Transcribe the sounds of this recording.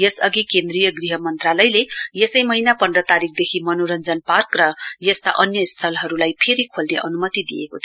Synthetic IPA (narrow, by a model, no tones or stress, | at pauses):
jʌsʌɡikend̪rijʌɡriɦʌmʌnt̪ralʌjlejesʌjmʌinapʌndrʌt̪aɾik̚ʰd̪ekʰimʌnoɾʌnd͡zʌnparkrʌjʌst̪a̰ʔʌnjʌst̪ʰʌlɦʌɾulajpʰeɾikʰolneʔʌnumʌt̪id̪ijekot̪ʰi